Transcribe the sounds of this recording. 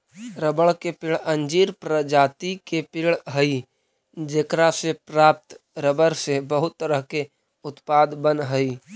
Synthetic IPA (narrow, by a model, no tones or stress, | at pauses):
ɾəbəɭkepɪɭə̃nd͡ʒiːɾpɾəd͡ʒaːt̪ikepɪɭɦəi | d͡ʒeːkɾasepɾaːp̚t̪ɾəbəɾsebəɦʊt̪ːəɾəɦke | ʊt̪pad̪bənɦəi